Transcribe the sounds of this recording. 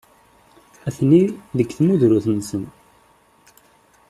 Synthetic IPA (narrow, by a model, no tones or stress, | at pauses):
æθniðəkːθmuðɾuθnsən